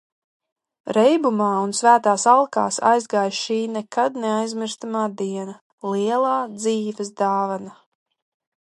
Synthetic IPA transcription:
ɾɛjbumaːunsvæːt̪aːsalˠka̰ːsa̰jzɡaːjʃiːnɛkad̪̚neajzmiɾst̪amaːd̪iɛna | lˠiɛlˠaːd̪ziːvɛsd̪aːvana

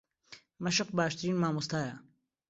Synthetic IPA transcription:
mɐʃɪq̚baːʃt̪ɾiːnmaːmust̪ʰaːja

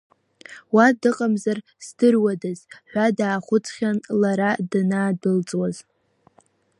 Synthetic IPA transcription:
wadɨqʼamzar | sdɨrwadaz̥ħʷadaːχʷʊt͡sʰʼχʲanlaɾadɨnaːdɨlt͡sʼwaz

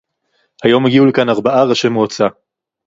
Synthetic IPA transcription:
hajo̞mheɡiulekanaʁbaʔaʁaʃemuat͡sa

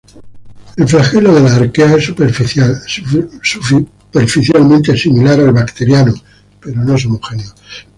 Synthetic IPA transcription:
e̞lflaxe̞loðe̞laːɾkeaesuɾfa | s | peɾfiθjalmẽnt̪esimilaɾalβakt̪e̞ɾjano | pe̞ɾo̞noesomoxe̞njo

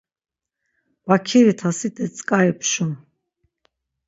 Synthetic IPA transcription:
b̥akʰiɾit̪ʰasid̪ɛt͡sʼkʼaɛpʰʃun

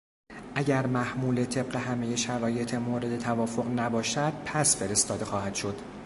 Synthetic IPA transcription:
ʔæɟæɾmæhmuːle̞t̪ʰe̞bɢe̞ɦæmeje̞ʃæɾɒːje̞t̪ʰemoːɾe̞d̪e̞t̪ʰævɒːfo̞ʁnæbɒːʃæd̪̥̚pʰæsfe̞ɾest̪ɒːd̪e̞xɒːhæd̪̥ʃo̞d̪̥

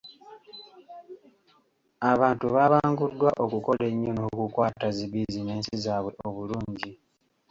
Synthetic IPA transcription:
aβaːntuβaːβaːŋɡudwaʔo̞kuko̞le̞ɲːo̞nokukwaːtaziβizine̞ːnsizaːβwe̞ʔoβuluːɲɟi

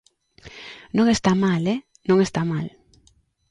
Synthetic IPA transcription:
nõŋest̪amale | nõŋest̪amal

